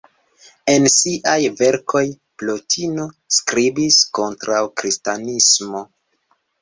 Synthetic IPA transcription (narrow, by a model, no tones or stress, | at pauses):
e̞nsiʔajve̞ɾkʰo̞j | plotʰino | skɾibisko̞ntɾawkɾistanismo̞